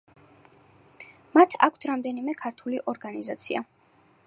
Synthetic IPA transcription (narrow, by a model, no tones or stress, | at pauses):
mat̪ʰa̰kʷʰt̪ʰɾamd̪ɛnimɛkʰaɾt̪ʰuliʔɔɾɡanizat̪sʰia̰